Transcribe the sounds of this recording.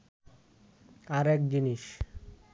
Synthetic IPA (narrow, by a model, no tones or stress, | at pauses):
aɾɛkd͡ʑiniʃ